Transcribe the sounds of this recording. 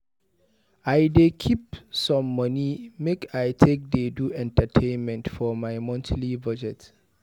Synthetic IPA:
aɪdekʰipsɔ̃mːʌnimekajtʰek̚deduɛ̃ntətʰẽɪnmɛ̃ntfɔmaɪmɔ̃ntlibʌd͡ʒɛt

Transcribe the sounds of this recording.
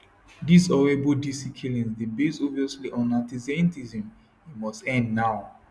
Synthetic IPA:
dizɔɹebɔdisikʰilĩnsdebesɔviɔsliʔɔ̃nãtizɛntizə̃m | imɔstɛ̃ndnaʊ

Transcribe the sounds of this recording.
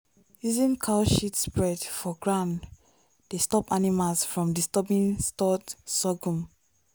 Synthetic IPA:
izĩnkʰalʃitspɹɛdfɔɡɹãʊ̃nd | d̥estɔpanimalsfɹɔ̃mdistɛbĩnstɔtsɔɡũm

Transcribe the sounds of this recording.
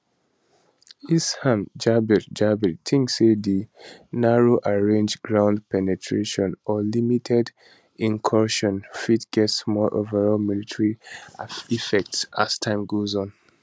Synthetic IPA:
ishãmd͡ʒabitd͡ʒabittʰĩŋksedinaɹoʔaɹẽnd͡ʒɡɹãʊ̃ndpɛnɛtʰɹeʃɔ̃nɔlimitʰɛd | ĩŋkʰɔʃɔ̃nfitɡ̥ɛtsmɔʔo̰vəɹɔlmilitʰɹi | ifɛk̚tsa̰stʰãɪ̃mɡozɔ̃n

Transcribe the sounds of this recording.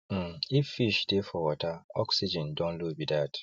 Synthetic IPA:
m̩ifːiʃdefɔwɔtaɔksid͡ʒɛ̃ndɔ̃nlubidat

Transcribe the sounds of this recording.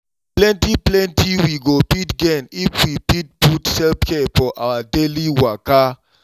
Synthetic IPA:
plɛ̃ntiplɛ̃ntiwiɡopitɡɛnifwipit̚putsɛlpkʰefɔʔa̰wadeliwaka

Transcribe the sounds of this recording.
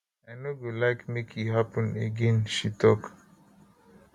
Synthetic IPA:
aɪnoɡolaɪkmekʰiɦapə̃neɡẽnʃitʰɔk

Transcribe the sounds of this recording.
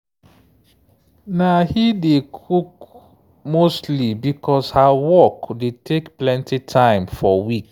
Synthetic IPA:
nahidekʰuk | mostlibikʰɔshawɔkdetʰekplɛ̃ntitʰãɪ̃mfɔwik

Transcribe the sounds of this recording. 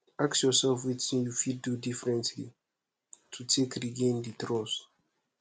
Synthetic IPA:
aksjɔsɛlfwitĩnjufidːudifɹɛ̃ntlḭ | tʰutʰekɾiɡẽnditɾɔs

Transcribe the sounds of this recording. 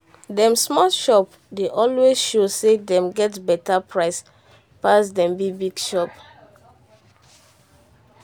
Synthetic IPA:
dɛ̃msmɔʃɔp | deʔɔlwezʃosedɛ̃mɡɛtbɛtapʰɹaɪs | pasdɛ̃mbibiɡʃɔp

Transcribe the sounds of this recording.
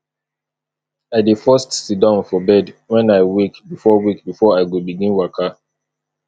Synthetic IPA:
aɪdifɔstsidãnfɔbɛdwɛ̃naɪwikbifɔwikbifɔaɪɡobiɡĩnwakʰa

